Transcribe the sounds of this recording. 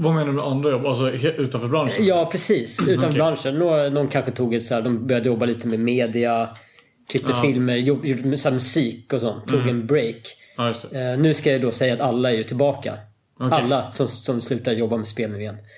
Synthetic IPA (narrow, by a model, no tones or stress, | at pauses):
vameːnaɾmɛand̪ɾajɔbals̬ɔʉ̟ːt̪anfœɾbɾanʂjɑːpʰɾɛsiːsʉ̟ːt̪anfœbɾanʂənːonɔnkʰanɧət̪ʰuːɡɛt̪sæːd̪ɔmbœɾjad̪əjɔbːaliːt̪əmɛmeːd̪ɪa | kʰlɪp̪̚ːffɪlməɾjɔbjumsæːɾmɵsiːkɔsɔnt̪ʰːuːɡɛnbɾejk | jst̪nʉ̟ːskajajd̪ɔsɛjːaːt̪alːaæɾjɵt̪ʰɪlbɑːka̰ | alːasɔmsɔmslʉ̟ːt̪ad̪əjɔbːamɛspeːlnʉːɪjɛnː